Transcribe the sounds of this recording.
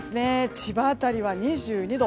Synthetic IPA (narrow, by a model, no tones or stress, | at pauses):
ɨne̞t͡ɕibaːt̪aɾʲiβaɲ̟iʑɨːɲ̟id̪o